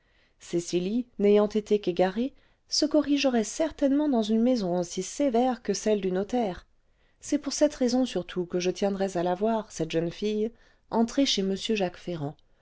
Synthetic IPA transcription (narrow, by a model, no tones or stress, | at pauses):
sesilinejɑ̃t̪et̪ekeɡaʁe | səkɔʁiʒəʁɛsɛʁt̪ɛnmɑ̃d̪ɑ̃zynmezɔ̃osisevɛʁkəsɛld̪ynɔt̪ɛːʁ | sɛpuʁsɛt̪ʁezɔ̃syʁt̪ʰukəʒət̪jɛ̃d̪ʁɛzalavwaʁsɛt̪ʒ̥ənfij | ɑ̃t̪χeʃeməsjøʒakfeʁɑ̃